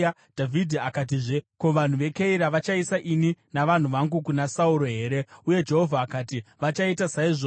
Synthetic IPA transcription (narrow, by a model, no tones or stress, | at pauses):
dʱavʱidʱiakat̬iʐeko̞ʋan̤uʋe̞keiɾaʋat͡ʃaisaʔininaʋan̤uʋaŋɡukunasauɾo̞ɦe̞ːɾe̞uje̞d͡ʒe̞ɦo̞vʱaːkaːtiʋat͡ʃaitasaiʐo